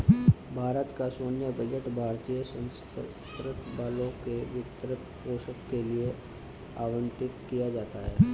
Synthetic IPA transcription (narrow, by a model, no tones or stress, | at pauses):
bʱaːɾət̪kasoːnjəbɐd͡ʒəʈbʱaːɾt̪ijəsə̃s | skɾɪt̪baːlõkeʋɪt̪ɾət̪poːsəkkelie | aːʋə̃nʈ̪ɪt̪kijad͡ʒaːt̪aɦɛ̰ː